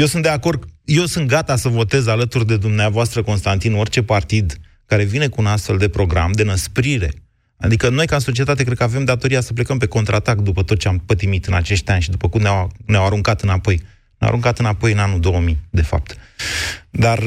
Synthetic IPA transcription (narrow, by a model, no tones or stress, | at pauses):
jewsund̪eako̞rd̪̚je̞wsunt̪̚ɡat̪asəvo̞t̪e̞zalət̪urd̪e̞d̪umneavoast̪ɾəko̞nst̪ant̪ino̞rt͡ʃe̞part̪id̪ | kaɾe̞vine̞kuːnast̪fe̞ld̪e̞pɾo̞ɡɾamd̪e̞nəspɾiɾe̞̰ | a̰d̪ikəno̞jkanso̞t͡ʃie̞t̪at̪̬e̞k̬ɾed̪̚kəave̞md̪at̪o̞ɾijasəp̬le̞kəmpe̞ko̞nt̪ɾʔat̪akd̪upət̪ot̪̚t͡ʃeampət̪imit̪ɨnat͡ʃe̞ʃt̪ʲanʲʃid̪upəkumnawneawaɾuŋkat̪ɨnapo̞j | nḛa̰ɾuŋkat̪ɨnapo̞jɨnanud̪o̞wəmid̪e̞fa̰p̚t̪ | d̪ar